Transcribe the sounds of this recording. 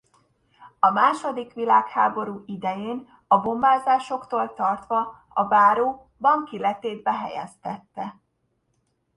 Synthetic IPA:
ɒmaːʃo̞d̪ikʋilaːkhaːbo̞ɾuːid̪ɛjeːn | ɒbo̞maːzaːʃo̞kt̪oːlt̪ɒrt̪ʋɒ | ɒbaːɾoː | bɒŋkilɛt̪eːd̪̚bɛɦɛ̰jɛ̰st̪ɛt̪ːɛ

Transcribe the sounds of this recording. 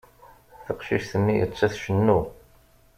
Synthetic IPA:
θəqʃḭʃθəmːijə̰t͡sːæθʃənːu

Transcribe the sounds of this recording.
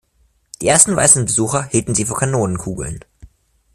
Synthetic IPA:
d̥iːʔeːɐstn̩va̰ɪsn̩bəzuːxɐhiːltn̩ziːfoːɐkʰanoːnənkʰuːɡl̩n

